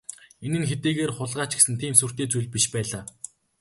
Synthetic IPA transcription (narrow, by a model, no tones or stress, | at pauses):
enɘ̆nxet̪eːɣeːrχʊɮʁaːt͡ɕɡe̥sɘ̆nt̪ʰiːmsur̥t̪eːt͡sujɮ̚ʲpiʃpæːɮaː